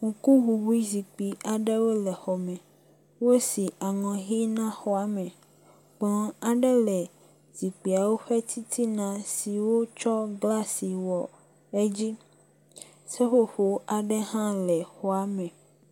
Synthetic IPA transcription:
ŋu˨ku˦ɦu˨wu˦i˦zi˨k͡pi˨a˨ɖɛ˦wo˦lɛ˨xɔ˨mɛ̃˨ | wo˦si˨a˨ŋɔ̃˨ɦi˦nã˦xɔ˦a˨mɛ̃˨ | ɡ͡blɔ̃˨a˨ɖɛ˦lɛ˨ | z̥i˨k͡pi˨a˨wo˦ɸɛ˦t̪ʰi˦t̪ʰi˦nã˨si˨wo˦t͡ʃɔ˦ɡla˦si˨wɔ˨ | ɛ˦d͡ʑi˦ | sɛ˦xo˦ɸo˨ʔa˨ɖɛ˦ɦã˦lɛ˨xɔ˦a˨mɛ̃˨

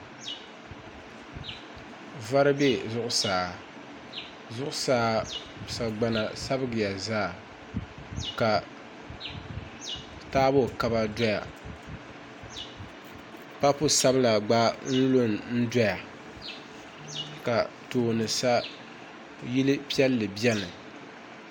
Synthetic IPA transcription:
va˦ɾɨ˦be˦zʊ˦ʔʊ˦saː˨ | zʊ˦ʔʊ˦saː˨˦˨ | sa˨ɡ͡ba˦na˨sa˦bɨ˦ɡɪ˨ja˨zaː˦˨ | ka˨ | taː˦bo˦˨ka˦ba˦da˦ja˨ | pa˦pʊ˦sa˦bɨ˦la˨ɡ͡ba˦n̩˦lo˦n˨n̩˦da˦ja˨ | ka˨ | toː˨nɨ˨sa˦ | ji˦lɨ˦pi˦ɛ˦lːɨ˨bɛ˦nɨ˨

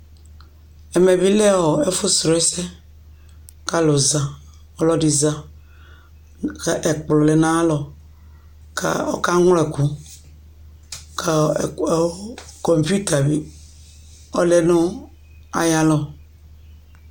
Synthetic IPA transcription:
ɛ˨me˨bi˦le˦wɔ˨e˦fʊ˦sɾɔ˨ɛ˦sɛ˦ | ka˦lo˨za˨ | ɔ˦lɔ˦di˨za˦˨ | ʔe˨k͡plʊ˨le˨nã˦lɔ˨ | ka̰˦˨ɔ̰˦ka˦ŋʷ˦le˨ku˦ | ka˨kɔ˨m˨pu˦ta˨bi˦ | ɔ˦le˦nʊ̃˦ | a̰˨ja˦lɔ˨

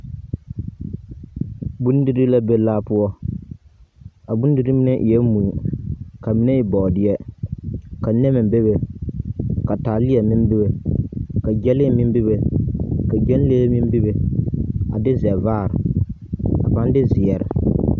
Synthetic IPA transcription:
bu˦n˦dɨ˦ɾɨ˦la˦be˦laː˦pʊ˦ɔ˦ | a˨bu˦n˦dɨ˦ɾɨ˦mi˦nɛ˦ʔjɛ˦mu˨ka˨mi˦ne˦i˨˦bɔ˨dɪ˦jɛ˦ | ka˨nɛ˦mɪ˨be˦be˨ | ka˨taː˨lɪ˦ɛ˨mɪ˦n˦bɪ˦be˨ka˨d͡ʒɛ˦lɪ˦mɪ˦m˦bi˦βe˨ka˨d͡ʒɛ˦n˦leː˦mɪ˦m˦bi˦be˨ | a̰˨dɪ˦zɛ˨vaː˦˨ɾɨ˨ | a̰˨pa˦n˦dɪ˦zɪ˨ɛ˨ɾɪ˨

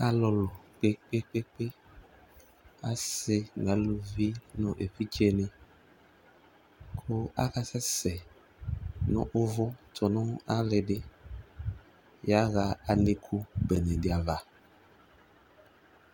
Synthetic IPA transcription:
a˨lɔ˨lɔ˨k͡pe˦k͡pe˦k͡pe˦k͡pe˦ | a̰˦sɪ˨ŋa˨˦lu˨vi˦nɔ̃˨ʔe˨ɸi˦t͡ʃe˦nɪ˨ | kʰʊ˦a̰˦ka˨sɛ˦sɛ˨ | nɔ̰̃˦ʔʊ˦vʊ˦tɔ˨nɔ̃˦a˦le˨dɪ˦ | ja˦ɣa˨a˨ne˨kʰu˦bɛ˨nẽ˨dɪ˨a˨va˨

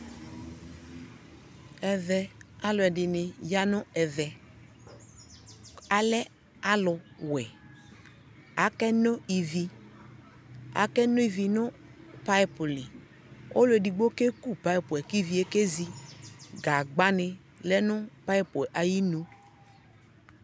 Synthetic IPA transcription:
ɛ˨vɛ˨a˦lʊ˨ɛ˨dɪ˨nɪ˨ja˦nʊ̃˦ɛ˨vɛ˨ | a˨lɛ˦ | a˦lʊ˨wɛ˨ | a˨˦kɛ˦nʊ˦i˨vi˨ | a̰˨˦kɛ˦nʊ˦i˨vi˨nʊ̃˦ | pa˦pʊ˨lɪ˨ | o̰˦lʊ˦ɛ˨di˨ɡ͡bo˦ke˦ku˦˨pa˦i˦pʊ˨ɛ˨ki˦˨vi˨˦e˦ke˦zi˨ɡa˨ɡ͡ba˦nɪ˨ | lɛ˦nʊ̃˦pa˦i˦pʊ˨ʔa˨ji˦no˦

